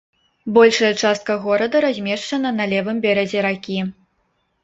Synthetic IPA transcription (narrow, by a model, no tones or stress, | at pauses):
bɔlʲʂɐjɐt͡ʂast̪̚kɐɣɔɾɐd̪ɐɾazʲmʲɛʂt͡ʂɐnɐnɐlʲɛvɨmbʲɛɾɐd͡zʲɛɾakʲi